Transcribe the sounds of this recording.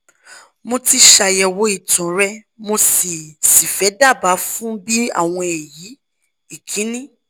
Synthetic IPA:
mo˧ti˧ʃa˧˨jɛ˨wo˨˦i˦˨tɔ̃˨ɾɛ˦ | mo˧si˨si˨fɛ˨˦da˦˨ba˨˦fũ˦bi˦a̰˦˨w̃ɔ̃˧ɛ˨ji˨˦ | i˦˨kʰĩ˨˦nĩ˦

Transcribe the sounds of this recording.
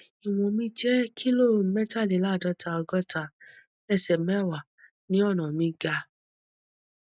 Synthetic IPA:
i˨w̃ɔ̃˨mĩ˧d͡ʒɛ˦kʰi˦lo˦˨mɛ˦ta˦˨le˨˦la˦˨dɔ˧˦tʰa˧ɔ˧ɡɔ˦ta˧˨ | ɛ˦˨sɛ˨mɛ˦˨wa˨ | nĩ˦ɔ˦˨ñã˨mĩ˧ɡa˧

